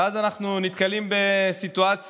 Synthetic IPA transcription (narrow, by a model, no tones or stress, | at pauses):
azanaχnunit̪kalimbe̞sit̪uat͡s